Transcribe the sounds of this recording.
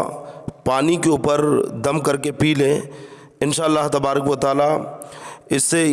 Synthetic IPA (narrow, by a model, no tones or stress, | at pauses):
paːnikeuːpəɾd̪ɐmkɐɾkepiːlẽ | ɪnʃaːəlːaɦt̪ɐbaːɾəkʋət̪aːla | ɪsːe